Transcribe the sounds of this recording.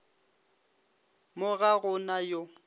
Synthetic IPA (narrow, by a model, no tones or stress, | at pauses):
mʊɣaɣʊnajo